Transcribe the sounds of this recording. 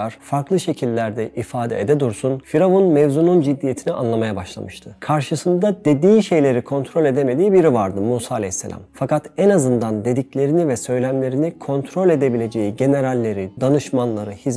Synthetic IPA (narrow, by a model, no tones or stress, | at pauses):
aɾ̥faɾklˠɯʃe̞cʰilʲːæɾd̪ɛʔifaːd̪ɛ̰ed̪ɛd̪uɾsunfiɾavunmɛvzunund͡ʒid̪ːije̞t̪ʰiniʔa̰nlˠamajabaʃlˠa̰mɯʃt̪ʰɯkʰaɾʃɯsɯnd̪ad̪e̞d̪iːʃe̞jlʲe̞ɾikʰo̞nt̪ʰɾo̞lʲe̞d̪e̞me̞d̪iːbiɾivaɾd̪ɯmuːsaːlʲeçsːelʲa̰mfakat̪ɛnazɯnd̪and̪e̞d̪iclʲe̞ɾinivɛsø̞jlʲæmlʲe̞ɾinikʰo̞nt̪ʰɾo̞lʲe̞d̪e̞bilʲe̞d͡ʒe̞jiɟe̞ne̞ɾalʲːe̞ɾid̪anɯʃmanlˠaɾɯhiz